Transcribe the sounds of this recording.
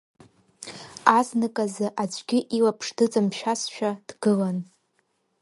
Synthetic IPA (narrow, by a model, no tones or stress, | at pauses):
aznɨkʼazɨʔat͡ʃʷʼɡʲɪʔilapʰʂdɨt͡sʼɨmʃᶣasʃᶣad̥ɡɨlan